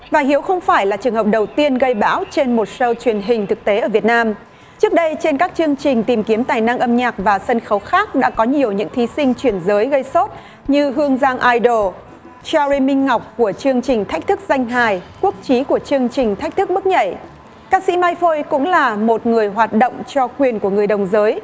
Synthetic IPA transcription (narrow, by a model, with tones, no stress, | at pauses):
vaː˨˩hi˨˦əwxə˧wŋ͡mfaː˧˩jlaː˨˩t͡ɕɨ˨˩əŋɦə˨˩k͡p̚ɗə˨˩wt̪i˧ənɣə˧jɓa̰ː˧˥wt͡ɕe˧nmo˨˩t̚sə˧wt͡ɕwi˨˩ənɦï˨˩ŋ̟t̪ʰɨ˨˩k̚t̪e˨˦ʔəː˧˩vi˨˩ət̚naː˧m | t͡ɕɨ˦˥ək̚ɗə˧jt͡ɕe˧nkaː˦˥k̚t͡ɕɨ˧əŋt͡ɕï˨˩ŋ̟t̪i˨˩mti˨˦əmt̪aː˨˩jna˧ŋʔə˧mɲaː˨˩k̚vaː˨˩sə˧nxə˨˦wxaː˦˥k̚ɗa̰ː˧˥kɔ˨˦ɲi˨˩əwɲɨ̰˧˥ŋt̪ʰi˨˦sï˧ŋ̟t͡ɕwi˧˩ənzəː˨˦jɣə˧jso˦˥t̚ | ɲɨ˧ɦɨ˧əŋzaː˧ŋʔaː˧jɗo˨˧˩ | t͡ɕaː˧zi˧mï˧ŋ̟ːa˨˩wk͡p̚ku˧˩ət͡ɕɨ˧əŋt͡ɕï˨˩ŋ̟t̪ʰa˦˥k̟̚t̪ʰɨ˦˥k̚za˧jŋ̟ɦaː˨˩jku˦˥ək̚t͡ɕi˨˦ku˧˩ət͡ɕɨ˧əŋt͡ɕï˨˩ŋ̟t̪ʰa˦˥k̟̚t̪ʰɨ˦˥k̚mɨ˦˥k̚ɲə̰˧˩j | kaː˦˧sḭ˧˥maː˧jfo˧jkʊ̰˧˥ŋ͡mlaː˨˩mo˨˩t̚ŋɨ˨˩əjɦwaː˨˩t̚ɗo̰˧˨wŋ͡mt͡ɕɔ˧kwi˨˩ənku˧˩əŋɨ˨˩əjɗə˨˩wŋ͡mzəː˨˦j